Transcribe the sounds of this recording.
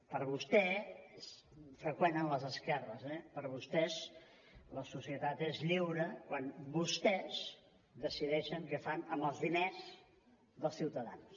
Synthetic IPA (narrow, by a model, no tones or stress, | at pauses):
pəɾβust̪ɛes | fɾəkwenənləzəskɛrəzɛpəɾβust̪ɛz | ləsusiət̪at̪ezʎiwɾəkwanbust̪ɛz | d̪əsiðɛʃəŋkəfanəmbəlˠzðinez | ðəlˠsiwt̪əðans